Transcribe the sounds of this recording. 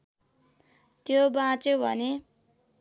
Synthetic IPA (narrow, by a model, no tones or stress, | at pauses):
t̪jobãt͡sjobʱʌ̰ne